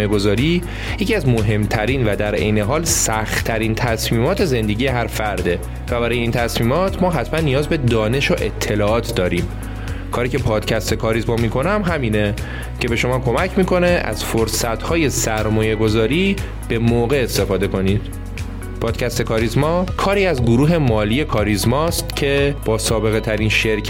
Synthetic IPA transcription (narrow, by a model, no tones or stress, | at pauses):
jeɡo̞zɒːɾiː | jecʰiæzmoɦe̞mt̪ʰæɾiːnvæd̪æɾḛjne̞ɦɒːlsæxtt̪ʰæɾiːnt̪ʰæsmiːmɒːt̪ʰe̞ze̞nd̪e̞ɟije̞ɦæɾfæɾd̪e̞ | væbæɾɒːjeiːnt̪ʰæsmiːmɒːt̪ʰmɒːɦæt̪ʰmænːijɒːzbe̞d̪ɒːne̞ʃoʔe̞t̪ʰːe̞lɒːʔɒːt̪ʰd̪ɒːɾiːm | kʰɒːɾiːcʰe̞pʰɒːd̪̥cʰæst̪ekʰɒːɾizmɒmikʰo̞næmɦæmiːne̞ | cʰe̞be̞ʃo̞mɒːkʰo̞mæcʰmiːkʰo̞ne̞ʔæ̰z̥foɾsæt̪ʰhɒːje̞sæɾmɒːje̞ɡo̞zɒːɾiː | b̥e̞moːɣe̞ːst̪e̞fɒːd̪e̞kʰo̞nid̪̥ | pʰɒːd̪̥cʰæst̪e̞kʰɒːɾizmɒːkʰɒːɾiːæzɡoɾuːɦe̞mɒːlije̞kʰɒːɾizmɒːst̪cʰe̞b̥ɒːsɒːbe̞ɣe̞t̪ʰæɾiːnʃe̞ɾcʰ